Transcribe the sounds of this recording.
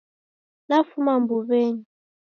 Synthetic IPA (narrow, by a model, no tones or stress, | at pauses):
nafumambuβeɲi